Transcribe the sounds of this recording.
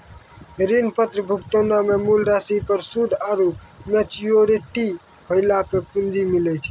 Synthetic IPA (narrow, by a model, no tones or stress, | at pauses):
ɾinpət̪ɾəbʱukt̪onamemulɾasipəɾsud̪ʱaɾup | met͡ʃioɾeʈi | pʰəɪlapepund͡ʒimilɛt͡ʃʰ